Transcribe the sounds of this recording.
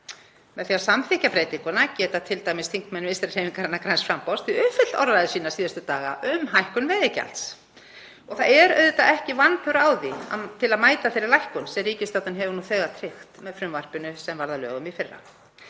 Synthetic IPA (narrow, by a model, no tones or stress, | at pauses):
mɛðθjawsamθɪhcapɾeːjt̪iŋkʏnacɛːt̪at̪ʰɪlt̪ajmɪst̪ʰiŋkmɛnvɪst̪ɾrhejmiŋkaɾɛnːakɾajnsfɾampɔst̪ʰiʏfɪ̥t̪ɔ̰ɾðaðɪsiːnasiːðast̪ʏt̪aːɣa̰ʔʏmɦajhkʏnvɛːðɪca̰lt̪s | ɔɣθaðɛɾœ̰ɥðʏt̪aʔɛhcɪvanpʰœɾaːwðiat̪ʰɪlaðmaːjt̪aθejɾɪɾlajhkʏnsɛriːcɪst̪awt̪ʏnɦɛvnuθœːɣat̪ʰɾɪxt̪mɛðfɾʏmvar̥pʏnʏsɛmvaɾðalœ̰ːɣʏmifɪrːa̰